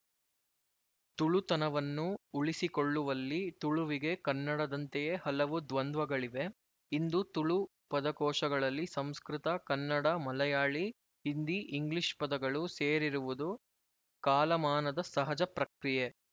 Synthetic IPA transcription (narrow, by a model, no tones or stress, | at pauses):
t̪uɭut̪ɐnɐʋɐnːuːɭisikoɭːuʋɐlːit̪uɭuʋiɡe̞kɐnːɐɽɐd̪ɐnt̪ejehɐlɐʋud̪ʋɐnd̪ʱʋɐɡɐɭiʋe̞ | ind̪ut̪uɭu | pɐd̪ɐkɔːʂɐɡɐɭɐlːisɐmskɾit̪ɐkɐnːɐɽɐmɐlɐjaːɭi | ɦind̪iʔiŋɡliʂpɐd̪ɐɡɐɭuseːɾiɾuʋud̪u | kaːlɐmaːnɐd̪ɐsɐɦɐd͡ʒɐpɾɐkɾije